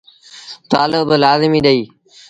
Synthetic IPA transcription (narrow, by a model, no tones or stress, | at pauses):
t̪aːlɪblaːzɪmiːɗəiː